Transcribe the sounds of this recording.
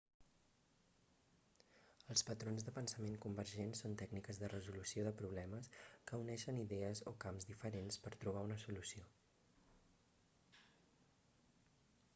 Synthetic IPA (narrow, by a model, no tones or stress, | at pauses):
əlˠspət̪ɾonzðəpənsəmeŋkumbəɾʒensont̪ɛɡnikəzðərəzulusioðəpɾuβlɛməskəunɛʃəniðɛəzo̰kamzðifəɾenspəɾt̪ɾuβ̞aunəsulusio